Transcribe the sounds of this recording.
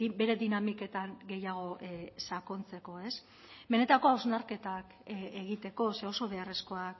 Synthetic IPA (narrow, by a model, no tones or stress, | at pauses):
be̞ɾe̞d̪inamike̞t̪aŋɡe̞jaɣ̞o̞ʔsako̞nt͡se̞ko̞e̞s | be̞ne̞t̪ako̞awznaɾke̞t̪ak | eɣit̪e̞ko̞se̞o̞so̞β̞e̞are̞sko̞ak